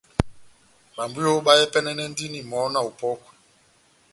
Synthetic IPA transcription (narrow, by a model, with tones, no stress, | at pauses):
ɓa˨mbu˦jo˦ɓa˦jɛ˦pɛ˦nɛ˦nɛ˦n˦di˦ni˨mɔ˨˦na˨u˨pɔ˦kwɛ˨